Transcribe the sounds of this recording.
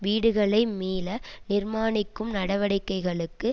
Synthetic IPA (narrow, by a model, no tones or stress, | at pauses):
ʋiːɽɯɣɐɭɐɪmiːlɐnɪrmaːnɪkːɯmnɐɽɐʋɐɽɪkːɐɪɣɐɭɯkːɯ